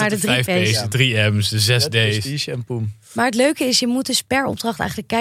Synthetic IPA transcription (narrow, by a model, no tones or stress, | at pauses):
aɹdədrjfejesdədriɛmsdəzɛsdeiɛnpum | maːɹətløɥkəɪsjəmud̚ɵspɛɹɔ̰b̚drɑχtɛ̰jχələkːɛ